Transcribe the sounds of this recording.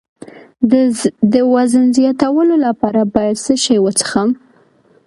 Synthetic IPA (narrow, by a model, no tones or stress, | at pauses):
d̪əwazənzjɑt̪awəlolapɑɾabɑjad̪səʃajwət͡sə̥xam